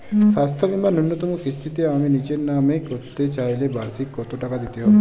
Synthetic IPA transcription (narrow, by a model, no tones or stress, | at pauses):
sast̪ʰɔbimanunjot̪ɔmukist͡ʃit̪eamenit͡ʃenːamekɔɾt̪et͡ʃaɦilebasikːɔt̪oʈakad̪it̪iɦɔ